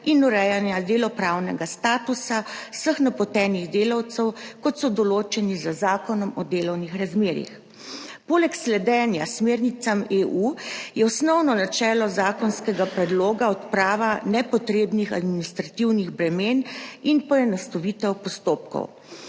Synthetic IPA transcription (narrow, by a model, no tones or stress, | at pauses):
inuɾɛjanjad̪eːlɔpɾaːwnɛɡast̪aːt̪usaw̥səxnapɔt̪ɛːniɣd̪eːlawt̪sɛwkɔt̪sɔd̪ɔloːt͡ʃɛnizəzaːkɔnɔmɔd̪eːlɔwnixɾazmeːɾḭx | poːlɛkslɛd̪ɛnjasmeːɾnit̪sameːʔujɛɔsnɔwnɔnat͡ʃɛːlɔzaːkɔnskɛɡapɾɛd̪loːɡaɔt̪pɾaːʋanɛpɔt̪ɾeːbnixad̪minist̪ɾat̪iwniɣbɾɛmeːninpɔjɛnɔst̪ɔʋit̪ɛwpɔst̪oːp̚kɔ̰w